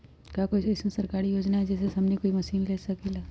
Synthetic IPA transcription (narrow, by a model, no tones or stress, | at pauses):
kakoɪsmẽsɐɾkaːɾijoːd͡ʒnaɦɛd͡ʒɛːs̬esɐmnikoːimɐsiːnleːsɐkilaː